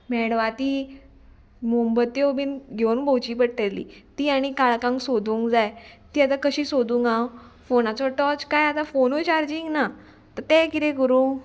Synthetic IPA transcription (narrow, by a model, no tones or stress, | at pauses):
mɛɽʋat̪iː | mumbət̪jobinɡʱeunbʱowt͡ɕiːpəɽʈelḭːt̪iːaɽ̃ikaɭkãŋksod̪ʱũːŋkd͡zajt̪iːat̪akəɕiːsod̪ũŋɡãw | fonat͡sɔʈɔt͡skajat̪afonot͡ɕaɾd͡ʑiŋɡna | t̪əɾt̪ekit̪ẽkəɾuːŋɡ